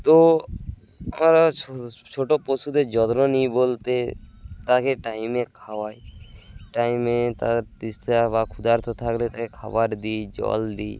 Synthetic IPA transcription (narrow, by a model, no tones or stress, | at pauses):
t̪o | əmɾat͡ʃʰoʈopɔsud̪ed͡ʒɔd̪ɾɔnibolt̪et̪akeʈaimekʰawajʈaimẽt̪aɾt̪ist̪ebakʰʊd̪aɾt̪ʰɔt̪ʰaklet̪akekʰabaɾd̪id͡ʒɔ̰ld̪i